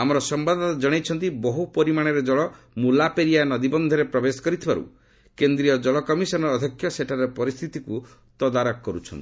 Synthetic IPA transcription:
amɔɾɔsɔmbad̪ʱɔt̪ad͡ʒɔɽ̃ejt͡ʃʰɔnt̪̬ibɔɦupɔɾimaɽ̃eɾed͡ʒɔɭɔ | mulapeɾijanɔd̪ibɔnd̪ʱɔɾepɾɔbesɔ̥kɔɾit̪ʰiba̰ɾṵ | kend̪ɾiɔd͡ʒɔɭɔkɔmisɔnɔɾːd̪ʱjɔkʰjɔseʈʰaɾepɔɾist̪ʰit̪iku | t̪ɔd̪aɾɔkːɔɾut͡ʃʰɔnt̪i̥

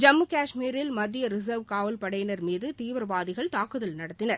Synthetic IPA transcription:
d͡ʒɐmːɯkaːʂmiːɾɪlmɐd̪ːɪjɐɾɪsɐʋkaːʋɐlpɐɽɐjɐnɐɾmiːðɯt̪iːʋɐɾɐʋaːðɪɣɐɭt̪aːkɯðɐlnɐɽɐt̪ːɪnɐɾ

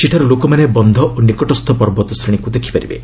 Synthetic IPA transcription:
t͡ʃiʈʰaɾɔlokɔmanebɔnd̪ʱɔʔonikɔʈɔst̪ʰɔpɔɾbɔt̪ɔsɾiɽ̃ikud̪ekʰi̥paɾibḛ

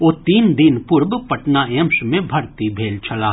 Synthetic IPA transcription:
oːt̪iːnd̪ɪnpʊɾbpɐʈnaeə̃mʃmẽbʱɐɾt̪ibʱeːlt͡ʃʰɐlaː

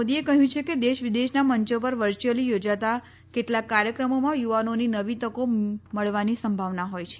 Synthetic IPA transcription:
od̪iekəɦjũt͡ʃʰeked̪eʃʋid̪eʃnaməɲt͡ʃop̬əɾʋəɾt͡ʃəlijod͡ʒat̪a | keʈlakːaɾjəkɾəmomãjuʋanoninəʋit̪əkoməɭʋanisəmbʱaʋnaɦojt͡ʃʰe

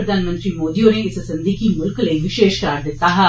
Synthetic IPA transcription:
ɾɐd̪ʱaːnmə̃nt̪ɾiːmoːd̪ijõneɪssɐ̃nd̪ikimʊlkləiʋɪʃeːʃkɾaːɾd̪ɪt̪ːaːɦɛ

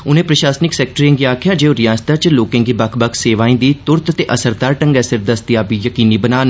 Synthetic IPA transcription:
ʊnẽːpɾəʃaːsnɪksɛːk̚ʈəɾiẽːŋɡiːaːkʰjaːd͡ʒeːoːɾɪjaːst̪aːt͡ʃloːkẽːŋɡiːbəkʰbəkʰseːʋaːĩːnd̪iːt̪ʊɾt̪t̪eːʔəsəɾd̪aːɾʈə̃ŋɡɛːsɪɾd̪əst̪ɪjaːbiːjəkiːniːbənaːn

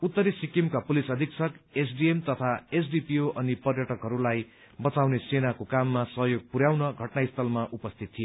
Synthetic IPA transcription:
ut̪ːʌɾisikimkapulisʌd̪ʱiksʌkesɖiemt̪ʌt̪ʰaes̬ɖipioʔʌnipʌrjʌʈʌkɦʌɾulaj | bʌt͡sawnesenakokamːasʌɦʌjoɡ̚puɾjawnʌɡʱʌʈnaist̪ʰʌlmaʔupʌst̪ʰit̪̚ʰːije

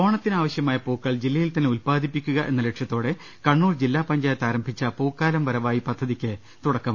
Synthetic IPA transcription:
o̞ːɳɐt̪ːinaːʋɐɕjɐmaːjɐpoːkːɐɭd͡ʑilːɐjilt̪ɐnːeulpaːd̪ʱipːikʲːuɣɐʔe̞nːɐleʈʂjɐt̪ːo̞ːɽe̞ | kɐɳːuːrd͡ʑilːaːpɐɲd͡ʑaːjɐt̪aːɾɐmbʱit͡ɕːɐpoːkːaːlɐmʋɐɾɐʋaːjipɐd̪ʱːɐðikʲːɨ | t̪uɽɐkːɐm

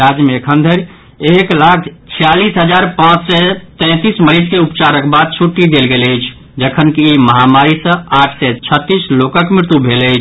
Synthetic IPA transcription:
ɾad͡ʒmekʰə̃nd̪ʱəɾ | eklakʰt͡ʃʰijalisɦəd͡ʒaɾpãt͡ʃsɛt̪ɛ̃t̪isməɾid͡ʒkeupt͡ʃaɾəkʰbad̪̚t͡ʃʰuʈːid̪elɡeləɪt͡ʃʰ | d͡ʒəkʰənkiiməɦamaɾisə̃aʈʰsɛt͡ʃʰət̪ːislokəkmɪɾɪt̪ubʱeləɪt͡ʃʰ

